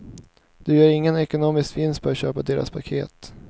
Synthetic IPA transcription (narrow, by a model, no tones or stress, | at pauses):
d̪̥ɵjœːɾɪŋːənɛkʊnoːmɪskvɪnskt̪̚fœɾat̪ɕøːpad̪eːɾa̰spʰakʰḛːt̪